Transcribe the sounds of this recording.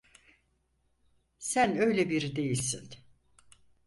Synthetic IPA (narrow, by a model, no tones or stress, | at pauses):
sænø̞jlʲebiɾid̪e̞jilʲsin